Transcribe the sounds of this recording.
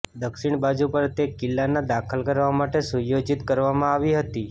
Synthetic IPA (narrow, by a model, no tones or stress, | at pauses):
d̪əkʃiɳ̃bad͡ʒupəɾt̪ekɪlːanad̪akʰəlkəɾʋamaʈesujod͡ʒit̪kəɾʋamãaʋiɦət̪i